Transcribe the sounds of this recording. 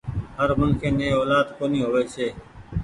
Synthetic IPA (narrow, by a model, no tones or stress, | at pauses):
ɦəɾmʊnkʰeːmẽːoːlaːd̪koːniːɦoːʋeːseː